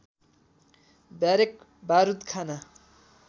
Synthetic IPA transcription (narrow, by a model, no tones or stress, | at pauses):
baɾek̚ | baɾud̪kʰana